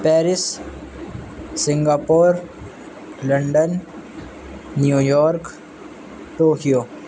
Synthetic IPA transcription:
pɛːɾɪs | ɪ̃ŋɡaːpoːɾ | lɐɳɖən | juːjɔːɾk | ʈoːkijoː

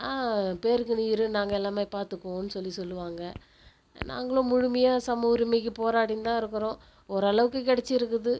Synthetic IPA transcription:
aːpeːɾkːɯniːɾɯnãːŋɡɐɛlːaːmeːpaːɾt̪ɯkːõːnːɯsɔlːisɔlːɯʋaːŋɡɐ | na̰ːŋɡɐɭʊ̃ːmʊɻʊmɐjaːsɐmuːɾɪmɛkːɯpoːɾaːʈɪnt̪ãːɪɾɯkːɯɾõː | ɔɾɯɐɭɐʋɯkːɯkɪɽɛt͡ʃːɪɪɾɯk̬ːɯðɯ

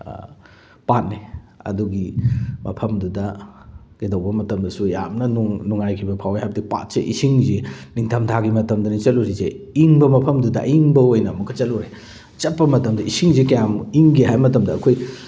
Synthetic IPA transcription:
pat̚niɐ̰duɡimɐ̰pʰɐmdudɐɡ̥edɐwbɐmɐtɐmdɐsuja̰mnɐnuŋnuŋajkʰibɐpʰawahajbɐdipa̰t̚sḛʔḭsiŋziniŋtʰɐmtʰaɡimɐtɐmdɐnit͡ʃɐluɾize | iŋbɐmɐpʰɐmdudɐ̰iŋbɐojnɐːmukʰːɐt͡ʃɐluɾe | t͡ʃɐt̚pːɐmɐtɐmdɐisiŋzikɐjamiŋɡiɦajmɐtɐmdɐːkʰoj

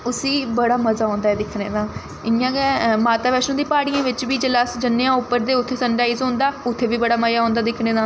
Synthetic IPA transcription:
ʊsiːbəɽaːməzaːõːnd̪aːɛːd̪ɪkʰneːd̪ãː | ɪjãːɡɛːmaːt̪aːʋɛːʃõːd̪iːpaːɽijãːʋɪt͡ʃʋiːd͡ʒəlaːsd͡ʒənːejãːʊpːəɾd̪eːʊt̪ʰːeːsəɳɖaːiːzɦõːnd̪aːʊt̪ʰːeːʋiːbəɽaːməjaːõːnd̪aːd̪ɪkʰneːd̪aː

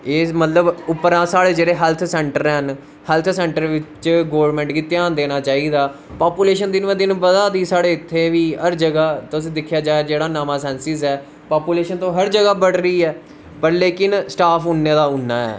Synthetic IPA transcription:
eːmət̪ləbʊpːəɾãːsaːɽeːd͡ʒeːɽeːɦɛːlt̪ʰsɛ̃ːɳʈəɾɛn | hɛːlt̪ʰsɛ̃ːɳʈəɾʋɪt͡ʃɡoːʋɾmɛ̃ːɳʈɡiːt̪ɪjaːnd̪eːnaːt͡ʃaːiːd̪aː | paːpuːleːʃənd̪ɪnʋẽːd̪ɪnbəd̪aːd̪iːsaːɽeːɪt̪ʰːeːʋiːɦəɾd͡ʒəɡaːt̪ʊs̬ĩːd̪ɪkʰːjaːd͡ʒaːed͡ʒeːɽaːnaːmaːsɛːnsɪzɛː | paːpuːleːʃənt̪õːɦəɾd͡ʒəɡaːbəɽɾəiːɛː | pəɾleːkɪnsʈaːpʰʊnːeːd̪aːʊnːaːɛ̰ː

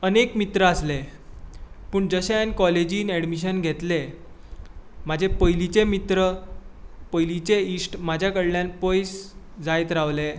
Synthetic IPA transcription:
ənekmit̪ɾəasle | pəːɳd͡zəɕenkɔled͡ʑiːnæɽmiɕ̬ənɡʱet̪le | m̤ad͡ʑʱepəjlit͡semit̪ɾə | pəjlit͡seisʈmad͡ʑʱjakəɽljãnpəjs | d͡zajt̪ɾaʋle

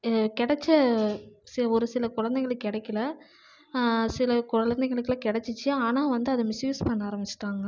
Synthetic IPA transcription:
kɪɽɛt͡ʃːɐ | sɪɔɾɯsɪlɐkʊɻɐnd̪ɛɣɐɭɯkːɪɽɐkːɪlɐ | sɪlɐkʊɻɐɭɐnd̪ɛɪɣɐɭɯkːlaːkɪɽɛt͡ʃːɯt͡ʃːɯaːnaːʋɐnd̪ɯɐðɐmɪsjuːspɐnːaːɾɐmbɪt͡ʃːɪ̥ʈːaːŋɡɐ

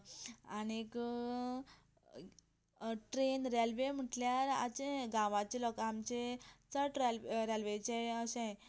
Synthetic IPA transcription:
anek | ʈɾenɾalʋem̤əʈljaɾa̰t͡ɕẽɡãʋat͡ɕelɔkamt͡ɕet͡səʈɾalɾalʋet͡ɕeəsẽ

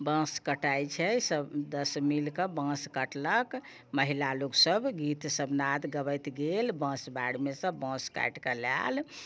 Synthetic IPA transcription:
bə̃skəʈajt͡ʃʰɛsəd̪əsmilkə̃bə̃skəʈlək | məɦilaloksəbɡit̪səbnad̪ɡəβəjt̪ɡelbə̃sbaɽmesə̃bə̃ska̰jʈkəla̰l

